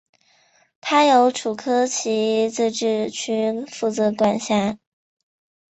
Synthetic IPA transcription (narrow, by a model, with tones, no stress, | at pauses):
t̪ʰa˥jo˧˥ʊʈ͡ʂʰu˨˩kʰɤ˥t͡ɕʰi˧˥t͡sɹ̩˥˧ʈ͡ʂɻ̩˥˩t͡ɕʰy˥fu˥˩t͡sɤ˧˥kwa˨˩nɕja˥˩